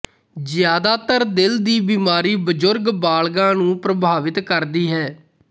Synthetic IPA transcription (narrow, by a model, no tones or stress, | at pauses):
zjaːd̪aːt̪əɾd̪ɪld̪iːbiːmaːɾiːbəzʊɾɡbaːlɡãːnũːpɾəbʱaːʋɪt̪kəɾd̪iːɦɛː